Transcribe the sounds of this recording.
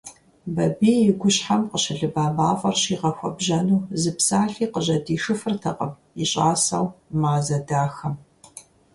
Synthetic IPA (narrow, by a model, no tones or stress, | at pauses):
bɐbiːjɪɡʷʊɕħamqəɕɐɮɨbaːmaːfʼɐrɕiːʁɐxʷɔbʒɐnuːzɨpsaːɬiːqəʑɐdiːʂɨfɨrtʰɐqʼə̰m | iɕʼaːsɐwmaːzɐdaːxɐm